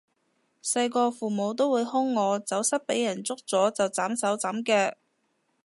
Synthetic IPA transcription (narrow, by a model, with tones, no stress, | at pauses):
sɐ˧jkɔː˧fuː˨˩mo˨˧wt̪̬o˥wuː˨˧jhʊ˥ŋːɔː˨˧t͡sɐ˨˥wsɐ˥t̚pe˨˥jɐ˨˩nt͡sʊ˥k̚t͡sɔː˨˥t͡sɐ˨wt͡saː˨˥msɐ˨˥wt͡sɐ˨˥mkɛː˧